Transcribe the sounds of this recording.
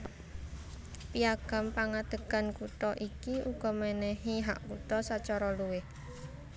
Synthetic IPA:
piaɡ̥a̤mpaŋad̪̥ə̤ɡ̥a̤nkuʈ̪ɔʔikiuɡ̥ɔ̤mɛnɛɦiɦa̰ʔkut̪ɔsat͡ʃɔɾɔluwɪh

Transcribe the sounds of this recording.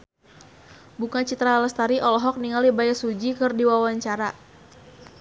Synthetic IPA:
bukat͡ʃit̪ɾaləst̪aɾiʔɔlɔɦɔk̚niŋalibajasud͡ʒikɨrdiwawaɲt͡ʃaɾa

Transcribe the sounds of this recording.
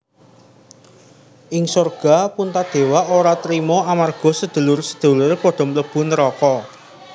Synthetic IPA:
ʔɪŋsɔrɡ̥a̤punt̪ad̪̥e̤waʔoɾat̪ɾimɔamarɡ̥ɔ̤səd̪̥ə̤lʊrsə̥d̪̥ṳlʊrpɔɖ̥ɔ̤mələb̥ṳnəɾɔkɔ

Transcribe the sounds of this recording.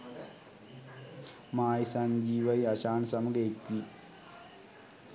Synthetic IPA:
maːjsaɲd͡ʑiːʋɐjɐɕaːɳsɐmɡekːi

